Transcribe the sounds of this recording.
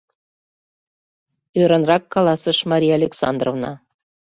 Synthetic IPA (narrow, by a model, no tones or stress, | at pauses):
øɾɤ̆nrɑkːɑlˠɑsə̆ʃmɑɾʲijɑlʲeksɑ̰nd̪rovnɑ